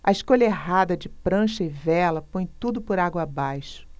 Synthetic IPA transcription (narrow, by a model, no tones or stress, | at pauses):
ɐɪʃkoʎɐeɦad̪ɐd͡ʒɪpɾɐ̃ʃɐɪvɛlɐpõj̃t̪ud̪ʊpʊɾaɡwɐːbajʃʊ̥